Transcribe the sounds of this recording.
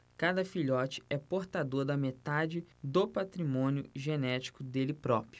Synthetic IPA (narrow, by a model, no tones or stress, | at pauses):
kad̪ɐfiʎɔt͡ʃɪ̥ɛpoɾt̪ad̪oɾd̪ɐmet̪ad͡ʒɪd̪opat̪ɾimõnjʊʒenɛt͡ʃi̥kʊd̪elɪpɾɔpɾjʊ